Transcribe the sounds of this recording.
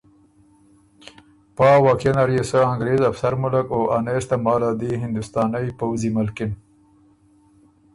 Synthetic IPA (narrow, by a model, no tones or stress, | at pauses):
pɑːwɑːkenaɾjesəaŋɡɾeːzafsaɾmʊlakoʔanest̪amɑːlad̪iɦɪnd̪ʊst̪ɑːnajpawzimʊlkɪn